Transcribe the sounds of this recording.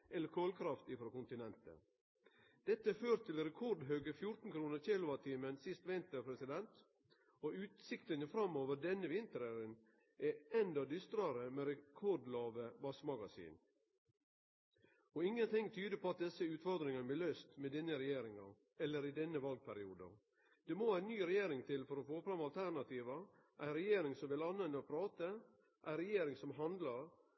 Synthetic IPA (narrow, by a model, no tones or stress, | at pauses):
ʔɛlːəɾkʰoːlkʰɾɑft̪ifɾɔkʊnt̪ɪnɛnt̪ə̰ | d̪̥ɛt̪ːəføːɾt̪ʰɪlɾɛkʰɔɖɦœːɡəfjʊɾt̪n̩kʰɾuːnəɾçeːlʊɑt̪ʰiːmənsɪst̪ʋɪnt̪əpʰɾɛsɪd̪ɛnt̪ | oʉːt̪sɪkt̪ənəfɾɑmːoːʋədɛnːəʋɪnt̪əɾæɾən | ɛɛnd̪ɑd̪ʏst̪ɾɑɾəmeːɾɛkʰɔɖlɑːʋəʋɑsmɑɡɑsḭːn | ɔɪŋːənt̪ʰɪŋt̪ʰyːd̪əpʰɔɑt̪̚d̪ɛsəʉːt̪fɔɾd̪ɾɪŋɑnəblɪløːst̪mɛd̪ɛnːəɾɛjeːɾɪŋɑ | ɛlːəɾɪd̪ɛnːəʋɑlɡ̚pʰæɾɪuːd̪ɑ̰ | d̪̥ɛmoæːɪnːyːɾɛjeːɾɪŋt̪ʰɪlfɔɾɔfoːfɾɑmɑlt̪ʰæɾnɑt̪ʰiːʋɑʔæɪɾɛjeːɾɪŋsɔmʋɪlɑnːɛnɔpʰɾɑːt̪ə | ʔæɪɾɛjeːɾɪŋsɔmɦɑnd̪lɑɾ